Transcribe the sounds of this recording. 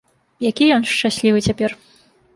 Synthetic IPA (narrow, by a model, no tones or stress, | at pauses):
jakʲijɔnʂt͡ʂasʲlʲivɨt͡sʲapʲɛr